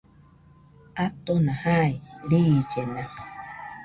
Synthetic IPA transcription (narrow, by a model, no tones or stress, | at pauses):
at̪onãhajɾiːt͡ʃenã